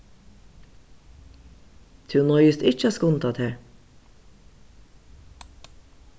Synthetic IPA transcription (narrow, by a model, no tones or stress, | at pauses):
t̪ʰʉnɔʏəst̪ɪt͡ʃəɑːskʊnt̪ʰɑt̪ʰheːɹ